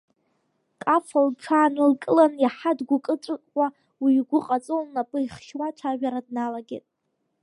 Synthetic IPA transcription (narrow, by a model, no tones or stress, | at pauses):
kʼafalʈ͡ʂʷʰaːnɨlkʼɨlanjaħadɡʷʊkʼɨʈ͡ʂʷʼɨkʼʷa | wiɡʷʊqʼat͡sʼolnapʼɨiχʃwat͡ʃʷʰaʒᶣaɾadnalaɡʲḛtʼ